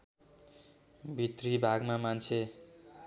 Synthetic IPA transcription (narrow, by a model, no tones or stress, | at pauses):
bʱit̪ribʱaɡmamant͡sʰe